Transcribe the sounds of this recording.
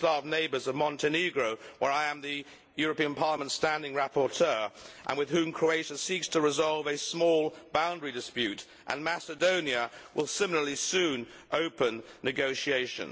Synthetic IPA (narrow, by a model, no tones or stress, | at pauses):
stɑvneɪbə˞zʌvmɑ̃ntʰɨniɡɹoʊwə˞aɪɨ̃mðɨ | jʊɹɨpĩɨ̃npʰɑɹləmə̃ntstæ̃ndɪ̃ŋɹæpə˞tʰɜ˞ʔə̰̃nwɨð̥hʉ̃mkʰɹ̥ueɪʃɨsikstʰəɹɨzɑlˠvɨsmɔlˠbãʊ̃ndɹidɨspjʉɾ | ʔə̰̃nmæsɨdõʊ̃niɨwʔɪlˠsɪ̃ml̩ˠə˞lisʉ̃n | ʔoʊpə̃nːɨɡoʊʃieɪʃɨ̰̃n